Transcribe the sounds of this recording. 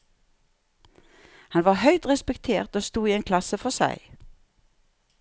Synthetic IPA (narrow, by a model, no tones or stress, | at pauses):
hɑnʋɑːhœʏt̪ʁɛspɛkt̪ʰeːʁt̪oːst̪uːiːeːnkʰlɑsəfɔsæ̰ɪ